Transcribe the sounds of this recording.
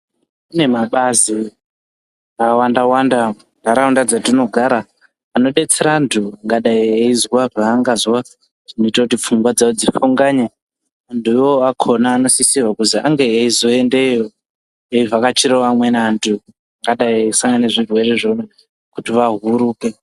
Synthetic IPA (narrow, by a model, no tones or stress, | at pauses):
une̞maɓazi | awandawanda | ndaɾaundad͡zatino̞ɡʱaɾaː | no̞ɗe̞t͡seɾantʰuaŋɡaɗaieizwaraːŋɡazwa | ʐ̥inoitautip͡fuŋɡwad͡zaod͡zifuŋɡaɲa | anduwoakʰo̞naːno̞sisiwakuzia̰ŋɡeeizo̞endejo | eivakat͡ʃiɾowamwe̞nantʰu | aŋɡaɗaiesaŋɡaneʐirwe̞reʐome | kutiʋaɦuɾuːke